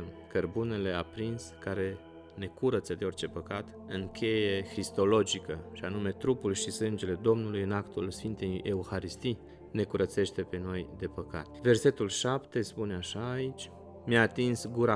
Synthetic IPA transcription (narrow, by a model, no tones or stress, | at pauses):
kərbune̞le̞apɾinskaɾe̞ | ne̞kuɾət̪səd̪eo̞rt͡ʃe̞pəkat̪ | ɨŋkʲʰe̞je̞xɾist̪o̞lo̞d͡ʒikəʃianume̞t̪ɾupulʃisɨnd͡ʒe̞le̞d̪o̞mnulujɨnakt̪ulsfint̪eje̞uxaɾist̪i | ne̞kuɾət̪se̞ʃt̪e̞pe̞no̞jd̪e̞pəka̰t̪ve̞rse̞t̪ulʃapt̪e̞spuneaʃaːit͡ʃʲ | mjaːt̪insɡuɾa